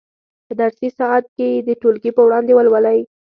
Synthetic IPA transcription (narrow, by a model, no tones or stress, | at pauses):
pəd̪aɾsisɑat̪̚ked̪əʈolkipəwɽɑnd̪ewalwalaj